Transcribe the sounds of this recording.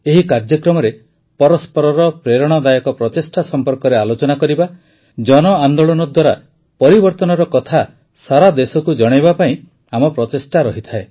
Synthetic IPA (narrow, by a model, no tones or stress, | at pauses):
eɦikaɾd͡ʒjɔkɾɔmɔɾe | pɔɾɔspɔɾɔɾɔpɾeɾɔɽ̃ɔd̪ajɔkɔpɾɔt̪esʈasɔmpɔɾkɔɾealot͡ʃɔnakɔɾiba | d͡ʒɔnɔand̪oɭɔnɔd̪waɾa | pɔɾibɔɾt̪ɔnɔɾɔkɔt̪ʰa | saɾad̪esɔkud͡ʒɔɽ̃ebapaĩ | amɔpɾɔt̪esʈaɾɔɦit̪ʰae